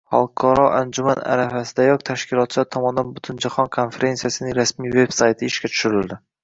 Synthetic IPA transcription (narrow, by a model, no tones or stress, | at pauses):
halˠkʰɒɾɒʔand͡ʒʊmana̰ɾafasɪd̪ajɒk̚ʲt̪ʰaʃkʲʰɪlˠɒt̪̚t͡ʃat̪ʰɒmɒnd̪anbʊt̪ʰʊnd͡ʒaχɒnkʰonfe̞ɾe̞nsijasɪnɪŋɾasmijve̞bsajt̪ʰɪɪʃkʲat͡ʃ̪ʰʊ̥ʃʊɾɪld̪ɪ